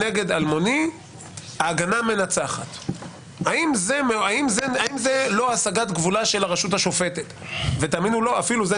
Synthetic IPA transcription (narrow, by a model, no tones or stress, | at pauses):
eɡe̞d̪almo̞ni | aːɡaname̞nat͡saχa̰t̪ | aimzemeaimzeaimzelo̞asaɡat̪ɡvulaʃe̞laʁaʃuthaʃo̞fe̞tet̪vetaminulo̞afiluze